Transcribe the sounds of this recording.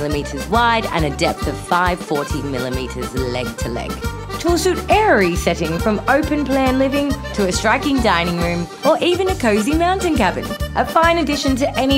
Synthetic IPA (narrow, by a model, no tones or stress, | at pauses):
lˠəmiˑɾəzwaɪɾə̰̃nɨdɛp̚θʌv̥faɪv̥fɔɹɾʰimɪlˠəmḭˑɾəzlɛ̰ɡ̚tʰəlɛ̰ɡ̥ | t͡ʃʰwɪlˠsʉˑɾɛɹisɛɾɪ̃ŋfɹʌ̃məʊpɨ̃npʰl̥æ̃nlɪvɪ̃ŋtʰəɨstɹ̥aɪkɪ̃ŋdãɪ̃nɪ̃ŋɹʉ̃m | ə˞ʔiːvɨ̃nɨkʰəʊzimãʊ̃ntɨ̃nkæbɨ̰̃nʔəfãɪ̃nɨdɪʃɨ̃ntʰɨʔɛñi